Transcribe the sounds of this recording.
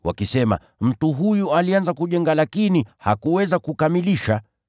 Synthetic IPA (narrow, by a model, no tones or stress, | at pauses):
wa̰kisɛma̰ | m̩tuɦujualianzakuʄɛŋɡalakiniha̰kuwɛzakukamiliʃa